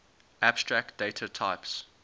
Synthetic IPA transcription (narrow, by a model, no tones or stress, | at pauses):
ʔab̥stɹæk̚td̥eɪtʰatʰaɪps